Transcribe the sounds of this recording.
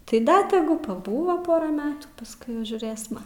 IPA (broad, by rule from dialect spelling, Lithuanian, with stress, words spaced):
tɐɪ ˈdɐ tʲɛˈɡʊ pɐˈbuːʋoː ˈpoːrɐ ˈmʲæːtuː pɐsˈkʊɪ jɛʊ ʒʲuːrʲeːsmɐ